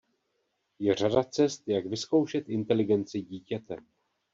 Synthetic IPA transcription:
jɛr̝adat͡sɛst̪jaɡvɪsko̞wʃɛt̪ʔɪnt̪ɛlɪɡɛnt͡sɪɟiːcɛt̪ɛ

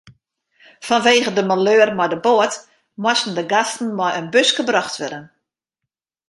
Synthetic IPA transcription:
fɔnʋeːɣədəmaløːərmɔjdəboət | mwɔsn̩dəɡastn̩mɔjənbøsɡəbrɔxtʋɛdən

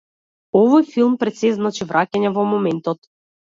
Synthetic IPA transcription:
ɔvɔjfilˠmpɾɛt̪sɛznat͡ʃivɾʔakʲanʲɛvɔmɔmɛnt̪ɔt̪

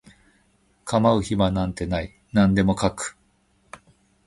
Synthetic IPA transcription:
kamaɯ̟çimanãnt̪e̞nai | nãnd̪e̞mo̞kakɯ̟̥

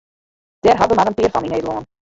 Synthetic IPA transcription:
d̥ɛrɦɑbəmaɾənpɪːrfɑnineːdəl̩ɔːn

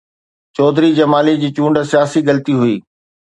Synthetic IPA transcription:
t͡ɕɔːd̪ʱɾid͡ʑɐmaːlid͡ʑiːt͡ɕũːɳɖsijaːsiɡɐlət̪iɦʊiː

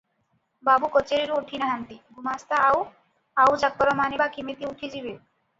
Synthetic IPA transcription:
babukot͡ɕeɾiɾuʈʰinaɦant̪iɡʱumast̪aaw | awd͡ʑak̚pɔɾomanebakimet̪iuʈʰid͡ʑibe

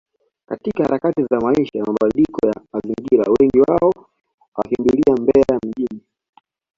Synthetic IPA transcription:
ka̰tikaha̰ɾakatizamaiʃajamaɓalikɔjamaziŋɡiɾa̰wɛŋɡiwaɔ | wakimbiliambɛɛajam̩ʄini

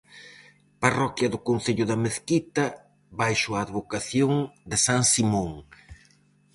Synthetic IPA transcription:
parɔkjɐðʊkon̟θeʎʊðɐmeθkit̪ɐ | bajʃʊaːðβokaθjoŋd̪ɪsaŋsimõŋ

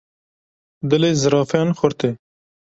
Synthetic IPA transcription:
d̪əleːzɨɾɑːfjɑnxʊɾt̪ʰeː

